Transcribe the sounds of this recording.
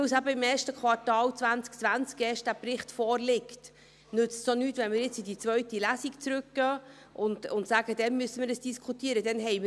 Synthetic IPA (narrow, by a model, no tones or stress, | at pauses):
ɪwsæbəɪmeːʃtəkχwɑɾtɑːlt͡svænt͡sk̚t͡sʋænt͡skɛːʃt̚d̥æpɾɪχtfɔːɾlɪkt | nʏt͡stsonyːtʋɛnmɪɾjɪt͡sidit͡sʋœɥtilæsikt͡sɾʉkɡ̥ə | ʔʊndʊntsæːɡəd̥̪ɛnmysːəmɪɾəsd̥iskʰutiːəɾədɛnɦɛɪmɪ